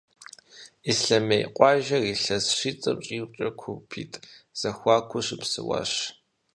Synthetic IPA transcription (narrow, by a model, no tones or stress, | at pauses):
isɬɐmejqʷʼɑːʒɐriːɬɐsʂiːt͡sʼɐ̰mɕʼiːwt͡ʃʼɐkʷʰupʰḭːtʼz̥ɐxʷɑːkʷʰʊɕɪpsɨ̰wɑ̰ːɕ